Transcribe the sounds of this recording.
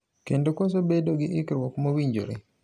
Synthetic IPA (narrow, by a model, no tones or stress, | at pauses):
kendokos̬obedoɡɪʔɪkɾwɔkmowiɲd͡ʒo̰ɾe